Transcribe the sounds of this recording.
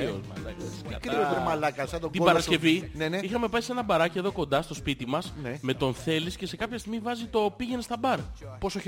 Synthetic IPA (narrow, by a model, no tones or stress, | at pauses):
omlɐkɐɐkɾioomɐlɐkɐsɐt̪oɡt̪ibɐɾɐskce̞vineneixɐme̞pɐise̞nɐbɐɾɐcie̞ðo̞ko̞nd̪ɐst̪o̞spit̪imɐsneme̞t̪o̞nθe̞lisce̞se̞kɐpçɐst̪iɣmivɐzit̪o̞piʝe̞ne̞st̪ɐbɐɾposoç